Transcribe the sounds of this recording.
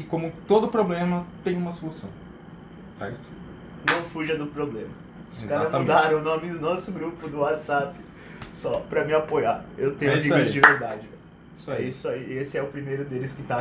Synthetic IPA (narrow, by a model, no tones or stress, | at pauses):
kɪkõmʊt̪od̪ʊpɾoblẽmɐt̪ẽj̃ũmɐsolusɐ̰̃w̃ | sɛ̰t̪ | nɐ̃w̃fuʒɐd̪ʊpɾoblẽmɐ | ʊskaɾɐzmud̪aɾɐ̃w̃ʊnõmɪd̪ʊnɔsʊɡɾupʊd̪ʊwat͡ʃ̪z̥apɪ̥ | sɔpɾɐmɪapojaewt̪ẽj̃amiɡɐzd͡ʒɪveɾd̪ad͡ʒɪvɛ | sɛisʊaiesɪɛʊpɾimejɾʊd̪elɪskɪt̪a